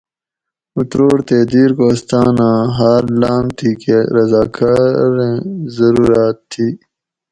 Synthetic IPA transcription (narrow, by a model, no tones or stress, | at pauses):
ut̪ɾoːɽt̪eːd̪iːɾkoːst̪aːnãːɦaːɾlaːmt̪ʰiːkeɾɐzaːkaːɾẽzɐɾuːɾaːt̪ʰːiː